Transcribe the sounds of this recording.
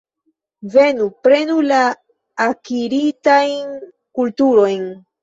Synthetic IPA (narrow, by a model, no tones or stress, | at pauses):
ve̞nupɾe̞nulaː | kiɾitajn | kultuɾo̞jn